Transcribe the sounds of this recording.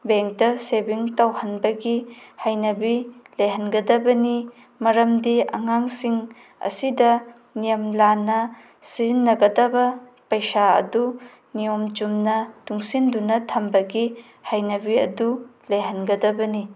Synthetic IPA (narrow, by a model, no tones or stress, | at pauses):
beŋk̚dɐsebiŋtawhɐnbɐɡihajnɐbileɦɐnɡɐdɐbɐni | mɐɾɐmdiɐ̰ŋaŋsiŋ | ɐ̰sidɐ | nijɐmlanɐ | siznːɐɡɐdɐbɐ | pɐjsaɐ̰du | nijomd͡ʒumnɐtuŋsindunɐtʰɐmbɐɡi | hajnɐbiɐ̰duleɦɐnɡɐdɐbɐni